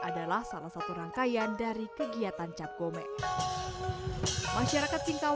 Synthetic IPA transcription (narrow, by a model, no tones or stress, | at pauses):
ʔadalahsalahsat̪uɾaŋkajandaɾikəɡiat̪ant͡ʃap̚ɡomɛ | maʃaɾakat̪̚siŋka